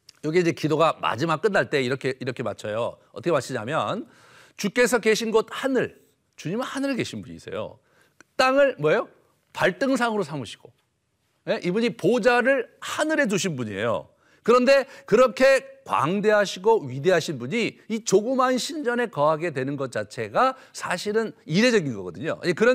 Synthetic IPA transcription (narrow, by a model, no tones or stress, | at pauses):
jʌɡieind͡ʑekidoɡama̰d͡ʑimak͈ɯnːaɭt͈e̞iɾʌkʰe̞ʔiɾʌkʰe̞mat͡ɕʰʌjo̰ʌtʰʌkʰemat͡ɕʰiɲa̰mjʌ̰n | t͡ɕuk͈e̞s̬ʰʌke̞ɕʰinɡʌt̚hanɯɭ | t͡ɕuɲimɯnhanɯɾɯkeɕʰinbuɲḭːs͈ḛjo̰ | t͈aŋɯɭmwʌejo | paɭt͈ɯŋsʰaŋɯɾosʰamuɕʰi̥ɡ̥o̰ | je̞ʔibuɲipod͡ʑaɾɯɭhanɯɾe̞d͡ʑuɕʰinbuɲiḛjo̰ | kɯɾʌnde̞kɯɾʌkʰe̞kwa̰ŋde̞ɦaɕʰiɡoɥide̞ɦaɕʰinbuɲiit͡ɕoɡɯmɦanɕʰind͡ʑʌne̞kʌɦaɡe̞dwe̞nɯnɡʌt̚t͡ɕ͈at͡ɕʰe̞ɡa | sʰaɕʰiɾɯniɾe̞d͡ʑʌɡinɡʌɡʌdɯɲo̰jekɯɾʌn